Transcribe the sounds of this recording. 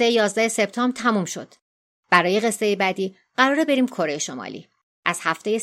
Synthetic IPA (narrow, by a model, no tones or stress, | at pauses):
ejejɒːzd̪æhe̞se̞bt̪ʰɒːmbrt̪ʰæmumʃo̞̰d̪̥ | b̥æɾɒːje̞ɢe̞sːe̞jebæd̪iː | ɢæɾɒːɾebe̞ɾiːmkʰo̞ɾejeʃomɒ̰lḭː | ʔæz̥hæft̪eje